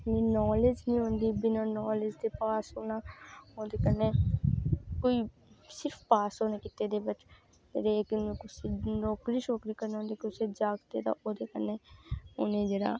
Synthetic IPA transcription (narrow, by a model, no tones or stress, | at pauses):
mĩnɔːled͡ʒnĩːɦõːnd̪ibɪnanɔːled͡ʒt̪epaːsɦoːnaːoːd̪ekəɾne | koːi | sɪɾpʰpaːsɦoːnekɪt̪ːed̪ebət͡ʃ | t̪ḛːɾeːkmẽkʊsenɔːkɾiʃɔːkɾikəɾneõːnd̪ikiʊsed͡ʒaːɡt̪ed̪a̰ʔoːd̪ekəɾneonẽd͡ʒeɽa̰ː